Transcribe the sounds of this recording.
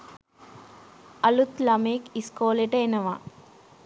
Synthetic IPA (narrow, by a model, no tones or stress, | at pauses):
ɐlut̪lɐmeːkiskoːleʈɐjnɐʋa